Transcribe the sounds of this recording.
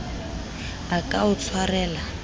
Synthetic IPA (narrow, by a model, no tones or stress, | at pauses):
akʼaʊt͡sʰwarɛːla